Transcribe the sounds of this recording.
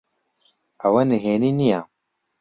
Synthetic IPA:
ɐwɐniɦeːninija

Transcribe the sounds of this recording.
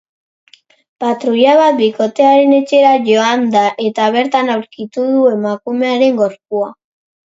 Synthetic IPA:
pat̪ɾuʎaβat̪̚biko̞t̪e̞aɾe̞ne̞t͡ʃe̞ɾaʝo̞and̪aʔe̞t̪aβ̞e̞ɾt̪anawɾkit̪uðue̞makume̞aɾe̞ŋɡo̞ɾpua

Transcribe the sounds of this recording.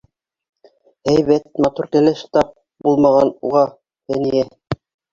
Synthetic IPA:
hæjβæt̪̚mɑt̪uɾkæ̆læʃt̪ɑp̚ | bulˠmɑʁɑnṵʁɑ | hænijæ

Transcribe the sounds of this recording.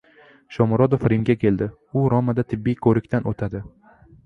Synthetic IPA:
ʃɒmɾɒd̪ofɾɪmɡʲakʲʰe̞ld̪ɪ | ʊɾɒmad̪at̪ʰɪbːijkʰɵɾɪkʲt̪ʰanʔot̪ʰad̪ɪ

